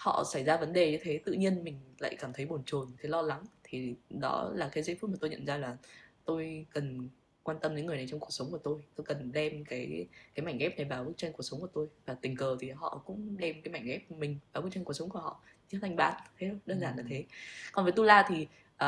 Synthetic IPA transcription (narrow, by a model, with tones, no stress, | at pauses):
hɔ̰˧˨sa˧˩jzaː˧və˨˦nɗe˨˩ɲɨ˧t̪ʰe˨˦t̪ɨ̰˧˨ɲi˧ənmï˨˩ŋ̟la̰ː˧˨jkaː˧˩mt̪ʰə˨˦jɓo˨˧˩nt͡ɕo˨˩nt̪ʰlɔ˧la˨˦ŋt̪ʰi˨˩ɗɔ̰˨˦laː˨˩kaː˨˦jzə˧jft̚maː˨˩t̪o˧ɲə̰˧˨nzaː˧laː˨˩t̪o˧jkə˨˩n | kwaː˧nt̪ə˧mɲɨ̰˧˥ŋːɨ˨˩əna˨˩jt͡ɕɔ˧wŋ͡mku˨˩ək̚sə˨˦wŋ͡mku˧˩ət̪o˧jt̪o˧jkə˨˩nɗɛ˧mkaː˨˦jkaː˨˦jma˧˩jŋ̟ɣɛ˦˥p̚na˨˩jɓaː˨˩wɓɨ˦˥t͡ɕa˧jŋku˧˩ək̚sə˨˦wŋ͡mku˧˩ət̪o˧jvaː˨˩t̪ï˨˩ŋ̟kəː˨˩t̪ʰi˨˩ɦɔ̰˧˨kʊ̰˧˥ŋ͡mɗɛ˧mkaː˨˦jma˧˩jŋ̟ɣɛ˦˥p̚mï˨˩ŋ̟ɓaː˨˩ɓɨ˦˥k̚t͡ɕa˧ŋk̚sə˨˦wŋ͡mku˧˩əhɔ̰˧˨t͡ɕi˧˦˥t̪ʰa˧jŋ̟ɓa̰ː˧˥nt̪ʰe˨˦˧ŋ͡mɗəː˧nzaː˧˩nlaː˨˩t̪ʰe˨˦kɔ˨˩nvə˨˦jt̪u˧laː˧t̪ʰi˨˩ | ʔː